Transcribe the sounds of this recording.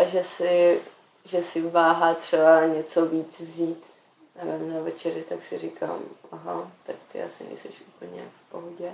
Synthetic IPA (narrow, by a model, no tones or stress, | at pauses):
ʔaʒɛsɪ | ʒɛsɪvaːɦaːt̪r̝̥ɛbaɲɛt͡soviːt͡svziːt̪ | nɛvɛmnavɛt͡ʃɛɾɪt̪aksɪrikʰa̰ːmʔaɦat̪ak̚t̪ɪ̰ʔa̰sɪnɛ̰jsɛ̰ʃʔuːpl̩ɲɛ̰ja̰kfpoɦoɟɛ